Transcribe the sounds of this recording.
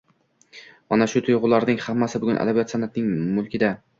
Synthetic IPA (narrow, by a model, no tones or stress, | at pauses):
manaʃʊt̪ʰʊjʁʊlˠaɾnɪŋhamːasɪbʊɡʊnʔa̰d̪abijat̪sanat̪nɪŋmʊlˠkʲʰɪd̪a